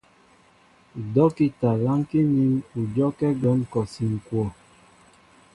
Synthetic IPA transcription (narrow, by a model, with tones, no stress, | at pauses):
dɔ˦ki˦ta˨la˦ŋki˦ni˦mu˨d͡ʒɔ˦kɛ˦ɡɔ˨˦nkɔ˨si˨ŋ̩˨kwɔ˦˨